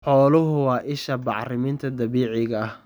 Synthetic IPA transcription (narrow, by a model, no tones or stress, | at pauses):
ħɔːlʊɦʊwɑːʔɪʃɐbɑ̰ʕrɪmɪnt̪ʰɐd̪ɐβiːʕɪɣɐɐh